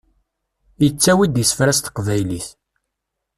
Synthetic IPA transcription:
jət͡sːæwid̪jəsə̥fɾæst̪ə̥qvæjliθ

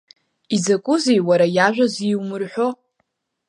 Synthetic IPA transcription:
izakʼʊzejwaɾajaʒᶣʷaziwmɨrħʷᶣo̞

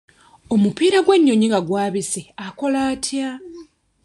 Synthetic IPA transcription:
o̞mupiːɾaɡwe̞ɲːo̞ɲiŋɡaɡwaːβiseako̞laːtʰja

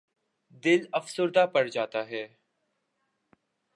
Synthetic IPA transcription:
d̪ɪlɐfsʊɾd̪apɐɽd͡ʒaːt̪aɦɛː

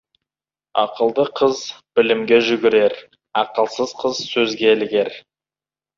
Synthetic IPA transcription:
ɑ̰qəlˠd̪əqʰəzb̥ɪlɪmɡʲe̞ʒʏɡʲɪɾe̞ɾ | ɑqəlˠsəzqʰəzsɵzɡʲe̞lɪɡʲe̞ɾ

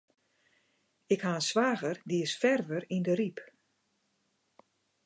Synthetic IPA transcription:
ɪkhaənsʋaːɣərdiɪsfɛrʋərindəɾip

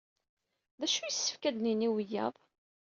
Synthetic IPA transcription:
ðæʃujəsːə̥fkæd̪niniwəjːæ̰ðˤ

